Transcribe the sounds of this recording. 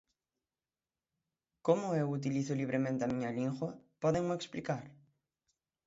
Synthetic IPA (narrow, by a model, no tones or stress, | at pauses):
komʊewut̪̬iliθʊliβɾemẽnt̪eamĩɲalĩŋɣwɐpɔðeŋmʊeksplikaɾ